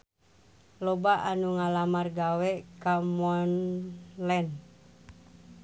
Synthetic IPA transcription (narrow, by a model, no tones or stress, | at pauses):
lɔbaʔanuŋalamarɡawɛkamɔnlɛn